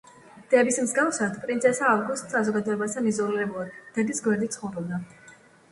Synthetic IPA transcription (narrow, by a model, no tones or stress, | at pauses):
d̪̥ɛbismzɡafsat̪ʰpʼɾinsʰɛsaːvɡust̪sazɔɡad̪ɔɛbasʰanizɔliɾɛbulˠad̪d̪̥ɛd̪isɡwɛɾd̪it̪sʰχɔvɾɛbd̪a